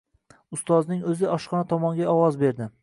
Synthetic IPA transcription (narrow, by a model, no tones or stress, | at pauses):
ʊst̪ɒznɪŋɵzɪɒʃqɒnat̪ʰɒmɒŋɡʲaɒwɒzbeɾd̪ɪ